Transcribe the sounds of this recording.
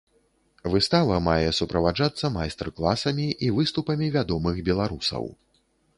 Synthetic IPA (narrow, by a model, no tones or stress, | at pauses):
vɨst̪avɐmajɛsupɾɐvad͡ʐat̪sːɐmajst̪ɛrklˠasɐmʲiʔivɨst̪upɐmʲivʲad̪ɔmɨxbʲɛlˠaɾusɐ̰w